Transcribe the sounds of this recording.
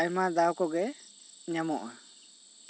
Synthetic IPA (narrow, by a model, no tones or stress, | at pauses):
ajmad̪awkɔɡɛ | ɲamɔʔa